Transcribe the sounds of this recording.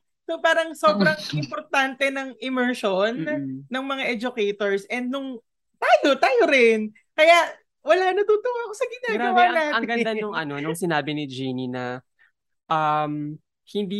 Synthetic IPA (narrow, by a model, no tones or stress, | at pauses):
sopaːɾɐŋsobɾɐŋʔɪmpoɾt̪ant̪ɛnɐŋʔɪmɛɹʃonːɐŋmɐŋaʔɛd͡ʒʊkɛjt̪oɹsʔɛnd̪̚nʊŋ | t̪aːjot̪aːjoɾɪn | kɐjaʔ | wɐlaːnɐt̪uːt̪oʔoɐkosɐɡɪnaːawaaːɐŋɡɐnd̪anʊŋɐnonʊŋsɪnaːbɪnɪd͡ʒininɐ | ʔɐm | hɪnd̪i